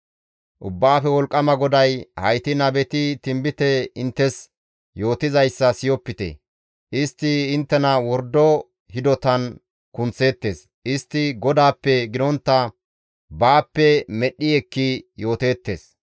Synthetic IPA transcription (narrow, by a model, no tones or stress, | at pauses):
ʔʊbːaːfɛwɔlkʼːɐmɐɡɔd̪ɐjhɐjt̪ɪnɐbɛt̪ɪt̪ɪmbɪt̪ɛɪnt̪ːɛs | jo̞ːt̪ɪzɐjsːɐsɪjɔpːɪt̪ḛ | ʔɪst̪ːɪːnt̪ːɛnɐwɔɾd̪ɔ | hɪd̪ɔt̪ɐn | kʊnt͡sːe̞ːt̪ːe̞ːs | ʔɪst̪ːɪɡɔd̪aːpːɛɡɪd̪ɔnt̪ːɐ | baːpːɛmɛɗːɪɛkːɪjo̞ːt̪e̞ːt̪ːe̞̰ːs